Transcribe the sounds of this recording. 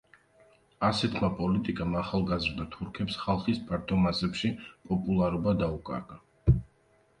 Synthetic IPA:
asɛt̪ʰmapʼɔlit̪ʼikʼamaχalˠɡazɾd̪at̪ʰuɾkʰɛpsχalˠχispʰaɾt̪ʰɔmasɛpʃipʼɔpʼulˠaɾubad̪aukʼa̰ɾɡa

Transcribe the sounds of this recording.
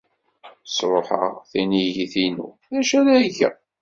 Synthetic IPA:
sˤɾˤoħə̰ʁθæniʝiθinṵ | ðæʃæðæʝæ̰

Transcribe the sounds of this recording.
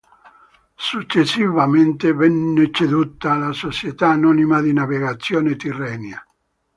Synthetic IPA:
sut͡ʃːesːivament̪evɛnːet͡ʃed̪ut̪ːaːlasot͡ʃjet̪aːnɔnimad̪inaveɣat̪sːjɔːnet̪irɛːnja

